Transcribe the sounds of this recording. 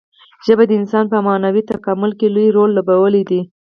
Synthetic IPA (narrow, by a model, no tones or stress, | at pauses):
ʒəbad̪əɪnsɑnpəmɑnawit̪akamʊlkelujɾolːobawəlid̪i